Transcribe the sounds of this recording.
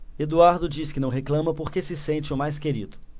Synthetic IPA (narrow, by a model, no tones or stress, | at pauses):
ed̪uaɾd̪ʊd͡ʒiskɪnɐ̃w̃ɦeklɐ̃mɐpoɾkesɪsẽnt͡ʃɪʊmajskeɾḭd̪ʊ